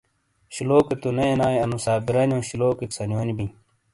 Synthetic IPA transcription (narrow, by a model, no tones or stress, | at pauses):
ɕiloːket̪uneenaːjɐnusaːbiɾɐnjõːɕiloːket̪sɐnwoːnibi